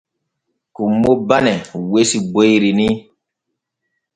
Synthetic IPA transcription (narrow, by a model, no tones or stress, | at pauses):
kumːobanɛwesiɡ͡bojɾini